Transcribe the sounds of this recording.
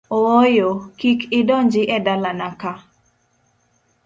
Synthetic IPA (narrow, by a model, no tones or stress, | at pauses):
oojokikɪdɔɲd͡ʒɪʔɛdalanaka